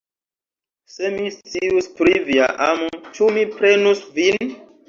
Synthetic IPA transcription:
semist͡siuspɾivia̰ʔamot͡ʃumipɾenusvin

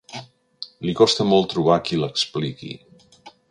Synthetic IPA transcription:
likɔst̪əmɔlˠt̪ːɾuβakiləksplikḭ

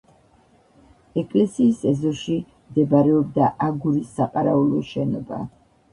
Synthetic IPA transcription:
ɛkʼlɛsiːsɛzɔʃi | md̪ɛbaɾɛɔb̚d̪aʔaɡuɾisːaqʼaɾaulˠɔʃɛnɔba̰

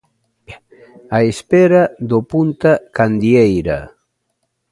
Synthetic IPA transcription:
aespeɾad̪opunt̪akand̪jejɾa̰

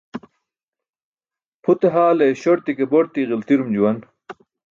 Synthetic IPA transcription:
pʰut̪eɦaːlejɕoɾt̪ikeboɾt̪iɣilt̪iɾumd͡ʑuwɐn

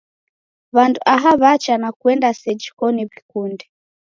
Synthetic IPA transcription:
βanduʔaɦaβat͡ʃanakuɛndasɛd͡ʒikɔniβikundɛ

